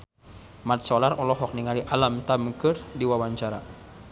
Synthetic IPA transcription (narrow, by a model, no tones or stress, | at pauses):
mat̪̚sɔlarɔlɔɦɔk̚niŋaliʔalamt̪aməkərdiwawaɲt͡ʃaɾa